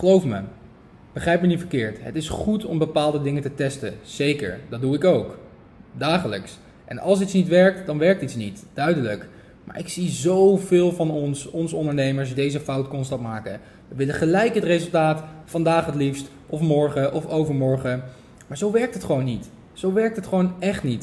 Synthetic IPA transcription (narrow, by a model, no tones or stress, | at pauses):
χəlowfmə̰ | b̥əχrɛjp̚mənitfəɹkɪːɹtɦətɪsχutɔmbəpaːlˠdədɪŋətətɛstəz̥ejkə̰ɹdɑd̚duɪkowk | daːχələ̰ks | ʔɛ̰nɑ̰lˠs̬itsnitʋɛɹk̚td̥ɑnʋɛɹk̚titsnitd̥œɥdələk | mʔa̰ːɹʔɪksizowvɪːlˠvɑnɔnsɔnsəɔndəɹnejməɹs̬dejzəfɑwtkɔnstɑtmaːkə̰ | ʋəʋɪləχəlɛjkɦətrezəlˠtaːtfɑndaːχətlifst | ʔɔfmɔɹχəʔɔfowvəɹmɔɹχə | maːɹzowʋɛɹk̚tɦətχəʋownːit | z̥owʋɛɹk̚tɦətχəʋownɛχtnit